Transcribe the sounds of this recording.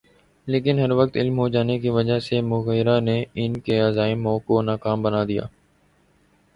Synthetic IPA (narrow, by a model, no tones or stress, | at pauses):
leːkɪnɦəɾʋək̚t̪ɪlmɦoːd͡ʒaːnekiːʋəd͡ʒaɦsemʊɣeːɾaneːɪnkeːaːzaːɪmõːkonaːkaːmbənaːd̪ija̰ː